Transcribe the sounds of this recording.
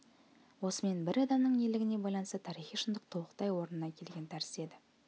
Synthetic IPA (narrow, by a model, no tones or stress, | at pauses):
wo̞səme̞nbɪɾɑd̪ɑmnəɴelɪɡʲɪne̞bɑjlˠɑnəst̪ət̪ʰɑɾiχijʃənd̪əq̚t̪ʰolˠəqt̪ɑjwo̞ɾənənɑkʲʰe̞lɡʲe̞nt̪ʰæɾɪ̥se̞d̪ɪ